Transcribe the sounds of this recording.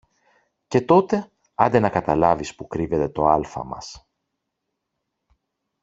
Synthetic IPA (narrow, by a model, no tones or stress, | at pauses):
ce̞t̪o̞t̪e̞ | ɐnd̪enɐkɐt̪ɐlɐvispukɾive̞t̪e̞t̪o̞ɐlfɐ̰mɐ̰s